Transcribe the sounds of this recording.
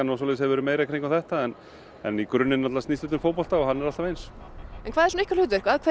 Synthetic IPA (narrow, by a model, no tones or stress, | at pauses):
anawsɔlɛːəshɛvɛɾʏmeːjɾakʰɾejŋkaθɛht̪aɛn | ɛ̰nikɾʏnːɪnnat̪last̪ist̪ʏt̪ʏmfoːwpɔl̥t̪aɔɦanːɛɾalt̪avejnsɛnkʰvaːðɛɾsɔnehkcalʏːt̪vɪr̥kʰvaːðkʰe